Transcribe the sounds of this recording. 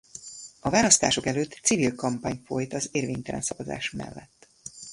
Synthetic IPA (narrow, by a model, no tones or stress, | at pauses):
ɒvaːlɒst̪a̰ːʃo̞kɛløːt̪sivilkɒmpaːɲfo̞jt̪ɒzeːrveːɲt̪ɛlɛ̰nsɒvɒza̰ːʃmɛ̰lːɛt̪ː